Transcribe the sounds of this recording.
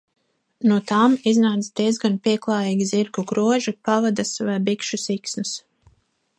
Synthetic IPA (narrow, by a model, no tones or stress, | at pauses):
nuɔt̪aːmiznaːt̪sd̪iɛzɡanpiɛklˠɑːjiːɡʲiziɾkuɡɾuɔʒipavad̪asvajbikʃusiksnus